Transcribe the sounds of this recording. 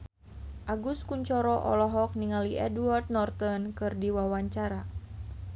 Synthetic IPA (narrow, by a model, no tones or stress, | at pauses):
ʔaɡuskuɲt͡ʃɔɾɔʔɔ̰lɔɦɔk̚niŋaliʔɛduart̪̚nɔrt̪ɔnkɨrdiwawaɲt͡ʃaɾa